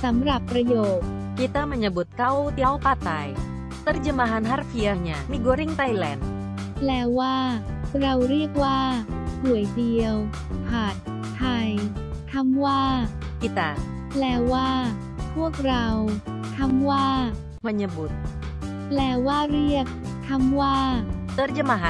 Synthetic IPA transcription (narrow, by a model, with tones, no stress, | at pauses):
sa˩˦mɾa˨˩pːɾa˧joː˨˩k̪̚ | ki˧t̪aː˧˥ma˧ɲa˧bu˨˩t̪̚ka˧˥wt̪i˧a˧˩wpaː˧˩t̪aː˧j | t̪a˧˥ɾd͡ʒɯ˧ma˧ɦa˧nɦa˧˥ɾfi˧a˧ɲa˨˩miː˧ɡoː˧ɾi˥˨ŋt̪a˧jlɛ̰ː˨˦n | plɛː˧waː˥˩ɾa˧wɾi˥˩ək̚waː˥˩su˨˩əjdi˧əw | kʰaː˨˩t̪̚ʰː | a˧jt̪ʰa˧˥mwaː˥˩ | ki˧˩t̪a˧˩ | plɛː˧waː˥˩ | pʰu˥˩ək̚ɾa˧w | t̪ʰa˧˥mwaː˥˩ | ma˧ɲa˧bu˨˩t̪̚ | plɛː˧waː˥˩ɾi˥˩ək̚ | t̪ʰːa˧˥mwaː˥˩t̪ə˧˥rd͡ʒə˧ma˧ɦa˧